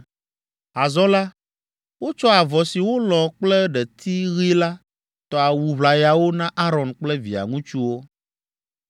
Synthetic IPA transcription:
a˨zɔ̃˦la˦ | wo˦t͡ʃɔ˦a˨vɔ˨si˨wo˦lɔ̃˨k͡plɛ˦ɖɛ˨t̪ʰi˦ɣi˦la˦ | t̪ɔ˨a˨wu˨βla˨ja˨wo˦nã˦ʔa˦ɾɔ˨nk͡plɛ˦vḭ˨a̰˨ŋũ˦t͡ʃu˦wo˦

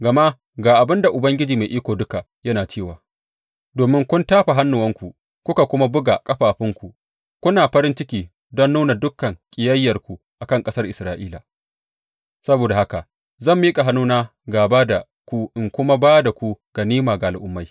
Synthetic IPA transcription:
ɡa˨ma˦ | ɡaː˨ʔa˨bɪ˦nda˨ʔʊ˨bɐ˦ŋɡʲɪ˦d͡ʒiː˨ma˨ʔiː˦kʷoː˨dʊ˦ka˨ | jɐ˦naː˨t͡ʃeː˦˨waː˨ | doː˨mɪ˦ŋkʷʊ˦ntaː˦ɸa˨ɦa˦nːʊ˨wɐ˦ŋkʷu˨ | kʷʊ˦ka˨kʷʊ˦ma˦bʊ˦ɡa˨kʼɐ˦ɸaː˨ɸɪ˦ŋkʷu˨ | kʷʊ˦naː˨ɸɐ˦ɾɪ˦nt͡ʃɪ˦kʲiː˨ | dɔ˦nːuː˦na˨dʊ˦kːɐ˨ŋkʲʼɪ˨jɐ˦jːɐ˨rkʷu˨ | ʔa˨kɐ˦ŋkʼɐ˦sɐ˦rʔɪ˨sɾaː˦ʔiː˦la˨ | sɐ˦boː˨da˨ha˦ka˨ʔ | zɐ˦˨mːiː˦kʼa˨ɦa˦nːuː˦naː˦ɡaː˨baː˦da˨ | kʷu˦ʔɪ˨ŋkʷʊ˦ma˦baː˦da˨kʷu˦ɡ̥a˨niː˦maː˨ɡa˨ʔa˨lʔʊ˦mːa˦j

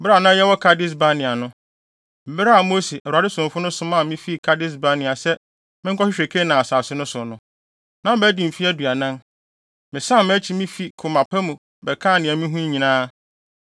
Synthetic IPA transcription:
bɪ˦ɾa˨nã˦jɛ˦wɔ˦kʰa˦dɪ˦s̬ba˦nɪ̃˨a˨nʊ̃˦ | m̩˨bɪ˦ɾa˦a˨mo˦si˨ʔɛ˨a˨dɪ˦sʊ̃˨m˨fʊ˦nʊ̃˦sʊ˦mã˦˨mɪ̃˦fi˦˨kʰa˦dɪ˦s̬ba˦nɪ̃˨a˨sɛ˦ | mɪ̃˦ŋ˦kʰɔ˦ɕɪ˦ɕᶣe˨kʰe˦nã˨a˨saː˨sɪ˦nʊ̃˦sʊ˨nʊ̃˦ | nã˦m̩˦bɛ˦di˨m̩˨fi˦æ˦du˨a˨nã˦n | mɪ̃˨sã˦˨mɪ̃˦æ˦t͡ɕʰi˦mĩ˦fi˦kʰʊ˨mã˨pʰa˦mũ˨ | bɛ˨kʰãː˦˨nɪ̃˨ɛ˨mĩ˦ɦũ˦ɲĩ˨nãː˦

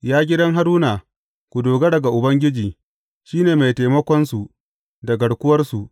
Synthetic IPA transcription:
jaː˦ɡʲɪ˦dɐ˦ŋɦa˦ɾuː˦na˨ | kʷu˨doː˨ɡɐ˦dɐ˨ɡa˨ʔʊ˨bɐ˦ŋɡʲɪ˦d͡ʒiː˨ | ʃiː˦neː˨ma˨jtaː˨jmɐ˦kʷɔ˦nsu˨ | dɐ˨ɡɐ˨ɽkʷʊ˦wɐ˦rsu˨ʔ

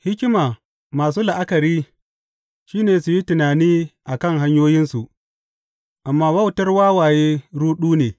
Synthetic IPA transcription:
hɪ˦kʲɪ˦maː˨ | maː˨s̬uː˦la˨ʔa˦kɐ˨ɾiː˦ | ʃiː˦neː˨su˨ji˦tʊ˨naː˨niː˦ʔa˨kɐ˦˨ŋɦa˦ɲjoː˦jɪ˦nsu˨ʔ | ʔa˨mːaː˦wɐ˦˨wtɐ˦rwaː˦waː˨jeː˦ɽuː˦ɗuː˦neː˨

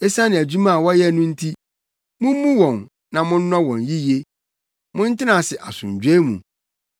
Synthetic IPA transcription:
e˦sã˦nɪ̃˨æ˨d͡ʑu˦mã˦˨wɔ˦jɛ˦˨nʊ̃˦n̩˦tʰi˦ | mʊ̃˦m˦mũ˦wɔ̃˨n | nã˨mʊ̃˦n̩˦nɔ̃˦wɔ̃˨nji˦je˦ | mʊ̃˦n̩˦tɪ˦nã˨sɪ˨ʔa˨sʊ̰̃˨ɲ˨d͡ʑᶣe˦mṵ̃˨

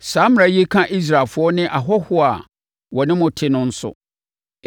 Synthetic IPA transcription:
saː˨˦m˦ɾã˨˦je˦kʰã˦ʔi˦s̬ɾa˨lfʊ˨˦ɔ˦nɪ̃˦ʔa˨ɦɔ˦hʊ˦a̰˨ | wɔ˨nɪ̃˦mʊ̃˨tʰɪ˦nʊ̃˦n̩˦sʊ̰˦

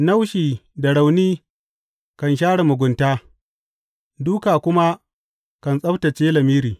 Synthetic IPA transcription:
na˦wʃiː˨da˨ɽa˨wniː˦ | kɐ˨nʃaː˦ɽa˨mʊ˨ɡʷʊ˨ntaː˦ | duː˦kaː˨kʷʊ˦ma˦ | kɐ˨nsʼɐ˦btɐ˨t͡ʃeː˦lɐ˨miː˦ɾiː˨

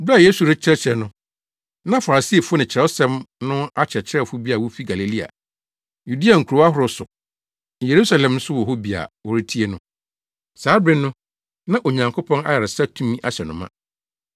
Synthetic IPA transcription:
ba˦˨je˦su˨ɾɪ˦t͡ɕʰɪ˦ɾɛ˦t͡ɕʰɾɛ˨nʊ̃˦ | nã˦fa˨ɾa˨si˦e˨fʊ˦nɪ̃˨t͡ɕʰɾɛ˨˦ɔ˦sɛ̃˦mnʊ̃˦a˦t͡ɕʰɾɛ˨t͡ɕʰɪ˦ɾɛ˦˨fʊ˦bi˦a˨wɔ˦fi˦ɡa˨le˨li˦a̰˨ | ju˨di˦a˨ŋ̩˨kʰu˨ɾo˨˦a˦hʊ˦ɾʊ˨sʊ˨ | je˨ɾu˦sa˨lɛ̃˨mn̩˦sʊ˦wɔ˨ɦo˦bi˨a̰˨wɔ˨ɾi˦tʰi˦e˦nʊ̃˦ | saː˨˦bɾɪ̃˦nʊ̃˦ | nã˦ʔo˨ɲã˨ŋkʰo˦pʰɔ̃˦na̰˦ja˨ɾɪ˨sa˦tʰũ˦mĩ˦ʔa˦ɕɛ˨nʊ̃˨mã̰˦

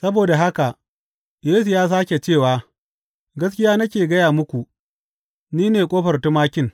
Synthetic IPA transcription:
sɐ˦boː˨da˨ɦa˦ka˨ | jeː˦su˨jaː˦s̬aː˦kʲe˨t͡ʃeː˦˨waː˨ | ɡɐ˦skʲɪ˦jaː˦nɐ˦kʲeː˨ɡɐ˦jaː˨mʊ˦kʷu˨ʔ | niː˦neː˨kʷʼoː˦ɸɐ˨rtu˦maː˦kʲɪ˦ŋ

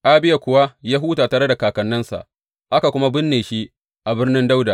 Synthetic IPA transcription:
ʔa˦bɪ˦ja˨kʷʊ˨wa˦jaː˦ɦuː˦taː˨taː˨ɾe˦da˨kaː˨kɐ˨nːɐ˦nsa̰˨ʔ | ʔa˦ka˨kʷʊ˦ma˦bɪ˦nːeː˨ʃi˦ʔ | ʔa˨bɪ˦rnɪ˦nda˦wda˨

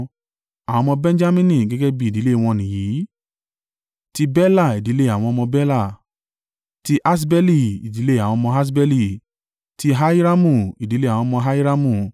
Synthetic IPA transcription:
a˨w̃ɔ̃˧mɔ̃˧bɛ̃˦n˦d͡ʒa˦mĩ˦nĩ˧˨ɡɛ˦ɡɛ˦bi˦˨di˨˦le˦˨w̃ɔ̃˧˨nĩ˨jiː˨˦ | ti˦bɛ˦la˦˨i˨di˨˦le˦˨a˨w̃ɔ̃˧mɔ̃˧bɛ˦la˦˨ | ti˦ʔa˦s̬bɛ˦li˦˨i˨di˨˦le˦a˨wɔ̃˧mɔ̃˧ɦa˦s̬bɛ˦li˦˧ | ti˦ɦa˦i˦ɾa˦mũ˦˨i˨di˨˦le˦a˨wɔ̃˧mɔ̃˧ɦa˦i˦ɾa˦mũ˦˨

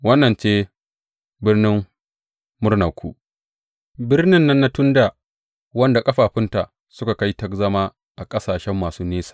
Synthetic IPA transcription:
wɐ˦nːɐ˨nt͡ʃeː˦ | bɪ˦rnɪ˦mː | ʊ˦rna˨kʷṵː˦ | bɪ˦rnɪ˦nːɐ˦nːa˦tʊ˦ndaː˨ | wɐ˦nda˨kʼɐ˦ɸaː˨ɸɪ˦nta˨ʔ | sʊ˦ka˨ka˦jtɐ˦kzɐ˦maː˦ | ʔa˨kʼɐ˦saː˨ʃɛ˦mːaː˨suː˦neː˦sḁː˨

